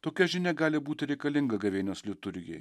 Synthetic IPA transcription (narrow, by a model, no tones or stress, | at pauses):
t̪oːkʲɛʒʲɪnʲɛɡɑːlʲɪbuːt̪ʲɪɾʲɛɪkɐlʲɪŋɡɐɡɐʋʲeːnʲoːslʲɪt̪ʊɾʲjʲɛ̰j